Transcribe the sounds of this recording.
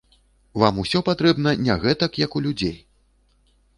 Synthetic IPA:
vamusʲɔpat̪ɾɛbnɐnʲaɣɛt̪ɐkjɐkulʲud͡zʲej

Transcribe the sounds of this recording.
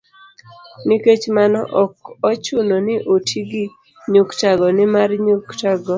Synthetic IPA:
nɪket͡ʃmanɔ̰ʔɔkɔt͡ʃʊnonɪʔotʰiɡi | ɲuktaɡɔnɪmarɲuktaɡɔ

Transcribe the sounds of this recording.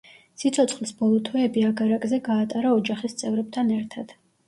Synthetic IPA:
sit̪sʰɔt̪sʰχlˠisbɔlˠɔt̪ʰwɛːbiaɡaɾakʼzɛɡaːt̪ʼaɾaɔd͡ʒaχist̪sʼɛvɾɛb̚t̪ʰanɛɾt̪ʰad̪̥

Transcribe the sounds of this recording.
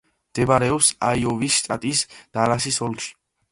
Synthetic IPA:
md̪̥ɛbaɾɛɔpsajɔvisʃt̪ʼat̪ʼisd̪̥alasisɔlkʃi̥

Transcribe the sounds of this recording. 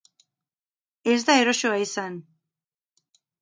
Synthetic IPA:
e̞zd̪ae̞ɾo̞so̞aisan

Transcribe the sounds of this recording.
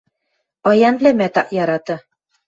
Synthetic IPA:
ɑjɑnblæmæt̪ɑ̰ʔjɑɾɑt̪ɤ

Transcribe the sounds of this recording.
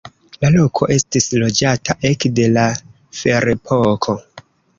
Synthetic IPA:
lalo̞kʰo̞ʔe̞stislo̞d͡ʒatʰaʔe̞kde̞la | fe̞ɾepʰokʰo̞

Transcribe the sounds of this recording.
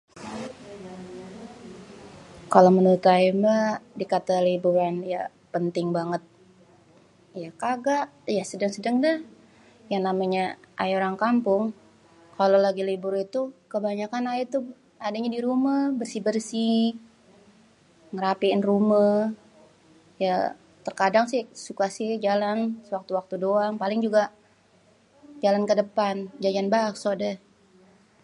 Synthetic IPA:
kalomənut̪ajimbadikat̪alibuɾanja | pənt̪ɪŋbaŋət̪̚ | jakaɡaʔjasədaŋsədaŋdah | jaŋnamaɲaʔa̰joɾaŋkampʊŋ | kalolaɡilibʊɾit̪ukəbaɲakanajit̪u | adaɲadiɾumabərsibərsi | ŋəɾapiɪnruma | ja | t̪ərkadaŋsɪsukasɪd͡ʒalansəwak̚t̪uwak̚t̪udoaŋpalɪŋd͡ʒuɡa | d͡ʒalankədəpand͡ʒad͡ʒanbaksodɛh

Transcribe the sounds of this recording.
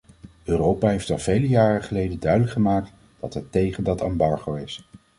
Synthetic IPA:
øːrowpaːɦejftɑlˠvejləjaːrəχəlejdəndœɥdələkχəmaːk̚t | d̥ɑtɦɛtːejχəndɑtɑmbɑɹχowɪs

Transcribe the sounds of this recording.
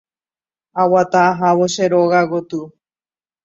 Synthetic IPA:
awat̪aːɦaβoʃeɾoɣaɣot̪u

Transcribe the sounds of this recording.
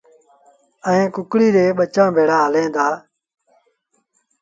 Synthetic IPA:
əẽːkʊkɽiːɾeːɓət͡ʃãːbʱeːɽaːɦəlẽːnd̪aː

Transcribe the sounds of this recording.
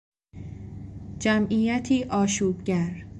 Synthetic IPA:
d͡ʒæmʔiːjæt̪ʰiːʔɒːʃuːbɟæɾ

